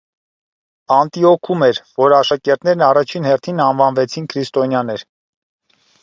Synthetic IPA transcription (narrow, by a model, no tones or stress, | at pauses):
ɑnt̪iɔkʰumɛɾvɔɾɑʃɑkɛɾt̪nɛɾnɑrɑt͡ʃʰinhɛrt̪ʰinɑnvɑnvɛt͡sʰinkʰɾist̪ɔnjɑnɛɾ